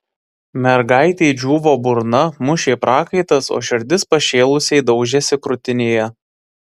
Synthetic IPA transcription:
mʲɛɾɡɑɪt̪ʲɛɪd͡ʒʲuːʋoːbʊɾnɐmʊʃʲeːpɾʔɑːkɐɪt̪ɐso̰ːʃʲɪɾʲd̪ʲɪspɐʃʲeːlˠʊsʲɛɪd̪ɒʊʒʲɛsʲɪkɾʊt̪ʲɪnʲeːjɛ

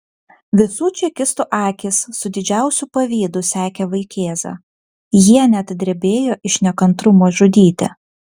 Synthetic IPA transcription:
ʋʲɪsuːt͡ʃʲɛkʲɪst̪ʊʔɑːkʲɪsːʊd̪ʲɪd͡ʒʲæˑʊsʲupɐʋʲiːd̪ʊsʲæːkʲeːʋɐɪkʲeːzɐ̰ | jiɛnʲɛt̪d̪ʲɾʲɛbʲeːjoːʔɪʃnʲɛkɐnt̪ɾʊmoːʒʊd̪ʲiːt̪ʲɪ̰

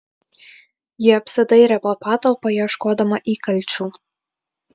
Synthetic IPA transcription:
jɪɐpsɐd̪ɐɪɾʲɛpɐpɑːt̪opɐjɛʃkoːd̪ɐmɐʔiːkɐlʲt͡ʃʲuː

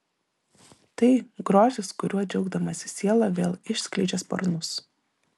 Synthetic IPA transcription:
t̪ɐɪɡɾoːzʲɪskʊɾʲuɔd͡ʒʲɛʊɡd̪ɐmɐsʲɪ̥sʲiɛlˠɐʋʲeːlˠɪʃʲsʲkʲlʲɛɪd͡ʒʲɛspɐ̰ɾnʊs

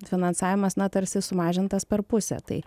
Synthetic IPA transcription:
fʲɪnɐnsɑːʋʲɪmɐsnɐt̪ɐɾʲsʲɪsʊmɑːʒʲɪnt̪ɐspʲɛɾpʊsʲɛ̰t̪ɐ̰ɪ

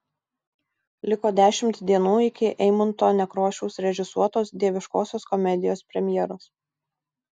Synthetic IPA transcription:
lʲɪkoːd̪ʲæːʃʲɪmt̪d̪ʲiɛnuːɪkʲɪʔɛɪmɐnt̪oːnʲɛkɾoːʃʲɛʊsɾʲɛʒʲɪsuɔt̪oːsd̪ʲiɛʋʲɪʃkoːsʲoːskɔmʲɛd̪ʲɪjoːspʲɾʲɛmʲjɛːɾoːs

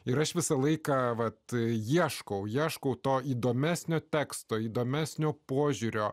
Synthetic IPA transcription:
ɪɾɐʃʋʲɪsɐlˠɐɪkɑːʋɐt̪jiɛʃkɐʊjiɛʃkɐʊt̪oːiːd̪oːmʲæːsʲnʲoːt̪ʲæːkst̪oːiːd̪oːmʲæːsʲnʲoːpoːʒʲuɾʲoː

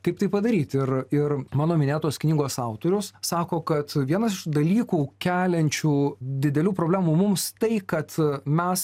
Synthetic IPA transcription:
kɐɪp̚t̪ɐɪpɐd̪ɐɾʲiːt̪ɪɾɪɾmɑːnoːmʲɪnʲeːt̪oːsknʲiːɡoːsɑʊt̪oːɾʲʊssɑːkoːkɐt̪ʋʲiɛnɐsɪʃd̪ɐlʲiːkuːkʲæːlʲɛnʲt͡ʃʲuːd̪ʲɪd̪ʲɛlʲuːpɾoːbʲlʲæːmuːmʊmst̪ɐɪkɐt̪mʲɛs

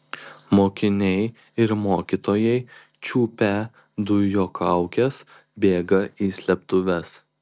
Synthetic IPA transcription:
moːkʲɪnʲɛɪ | ɪɾmoːkʲit̪oːjɛɪ | t͡ʃʲuːpʲɛ | d̪ʊjoːkʰɑˑʊkʲɛs | bʲeːɡɐiːsʲlʲɛp̚t̪ʊʋʲɛs

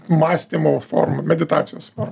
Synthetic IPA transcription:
mɑːsʲt̪ʲimoːfɔ̰ɾmɐmʲɛd̪ʲɪt̪ɑːt̪sʲɪjoːsfɔɾm

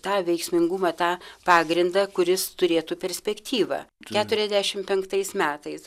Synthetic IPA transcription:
t̪ɑːʋʲɛɪksʲmʲɪŋɡʊmɐːt̪ɑːpɑːɡɾʲɪnd̪ɑkʊɾʲɪst̪ʊɾʲeːt̪uːpʲɛɾʲsʲpʲɛkt̪ʲiːʋɐ̰ːkʲæːt̪ʊɾʲɛzʲd̪ʲæːʃʲɪmpʲɛŋkt̪ɐɪsmʲæːt̪ɐɪs

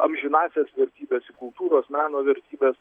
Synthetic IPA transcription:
ɐ̰mʲʒʲɪnɑːsʲeːsʋʲɛɾʲt̪ʲiːbʲeːsɪkʊlˠt̪uːɾoːsmʲæːnoːʋʲɛɾʲt̪ʲiːbʲeːs

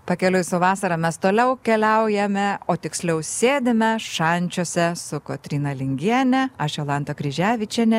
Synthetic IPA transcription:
pɐkʲɛlʲʊjsʊʋɑːsɐɾɐmʲɛst̪oːlʲɛʊkʲɛlʲɛʊjɛmʲɛoːt̪ʲɪksʲlʲɛʊsʲeːd̪ʲɪmʲɛʃɐnʲt͡ʃʲoːsʲɛsʊkot̪ʲɾʲiːnɐlʲɪŋʲɡʲiɛnʲɛɐʃɛlˠɑnt̪okɾʲɪʒʲæːʋʲɪt͡ʃʲɛnʲɛ

